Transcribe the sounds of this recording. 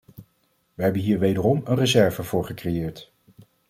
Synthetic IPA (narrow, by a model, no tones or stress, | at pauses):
ʋəɦɛbənɦiːɹʋejdərɔmənrəzɛɹvəvʊːɹχəkrejɪːɹt